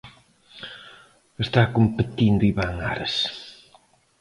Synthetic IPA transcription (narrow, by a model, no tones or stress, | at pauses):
est̪akompet̪ind̪ʊiβaŋa̰ɾɐs